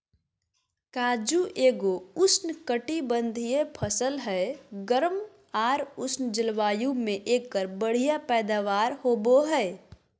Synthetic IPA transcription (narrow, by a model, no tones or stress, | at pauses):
kaːd͡ʒuʔeːɡoʊsnkəʈibə̃nd̪ʱijepʰəsəlɦɛɡəɾəm | aːɾʊsnd͡ʒɪlʋaːjũmẽʔeːkːəɾbəɽ̤ijapɛːd̪aːʋaːɾhoːboɦɛː